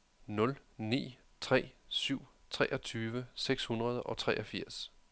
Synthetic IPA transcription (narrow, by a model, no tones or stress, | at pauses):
nɔ̽lnḭː | t͡sʰʁɛ̰ːsyʊ̰ | t͡sʰʁɛːʔɒ̽t͡sʰyːʋəseɡ̥shunʁɐð̞ˠʔɒ̽t͡sʰʁɛ̰ʔɒ̽fiɐ̰s